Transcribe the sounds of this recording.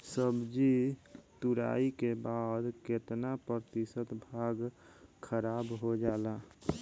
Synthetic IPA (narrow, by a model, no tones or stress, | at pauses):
səbd͡ʒit̪uɾa̰ikebad̪ket̪napəɾt̪isət̪bʱaɡkʰəɾabɦod͡ʒaːla